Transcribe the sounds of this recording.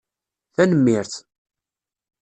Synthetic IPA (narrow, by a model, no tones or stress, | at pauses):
θænəmːɪɾθ